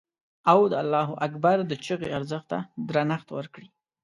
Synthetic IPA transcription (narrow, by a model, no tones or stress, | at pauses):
awd̪əalːɑɦʊʔakbaɾd̪ət͡ʃəɣeaɾzəxt̪ːa̰d̪ɾanaxt̪wəɾkɽi